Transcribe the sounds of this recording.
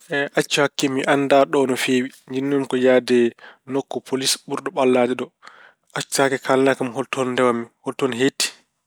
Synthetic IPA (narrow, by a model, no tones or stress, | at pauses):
ʔɛʔat͡ʃːhakːɛmiʔanːdaɗɔnɔfeːwiɲd͡ʒinːumkɔjaːdɛnokːɔpʰolisɓuɾɗɔɓalːad͡ʒɛɗɔ | ʔat͡ʃːakɛkʰalnakamhɔltɔndɛwamːihɔltɔnɦetːi̥